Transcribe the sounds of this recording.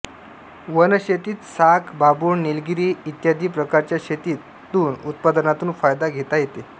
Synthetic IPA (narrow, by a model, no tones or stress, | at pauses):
ʋənəɕet̪iːt̪sakbabuːɳnelɡiɾiːit̪jad̪ʱiːpɾəkaɾt͡ɕjaɕet̪iːt̪ːuːnut̪̚pad̪ənat̪uːnfajd̪aɡʱet̪ajet̪e